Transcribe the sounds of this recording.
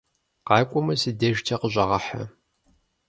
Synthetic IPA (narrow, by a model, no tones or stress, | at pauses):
qɑːkʷʼɔmɐsɨdɐʒtʰɐqəʑʼɐʁɐħɐ̰